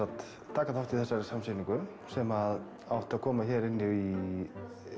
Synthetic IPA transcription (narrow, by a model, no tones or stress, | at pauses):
at̪ | t̪ʰːaːkaθawft̪ʰɪθɛsːaɾsamseːniŋkʏ | sɛmað | awht̪ɪaðkʰɔːmaçɛːɾɪnːɪi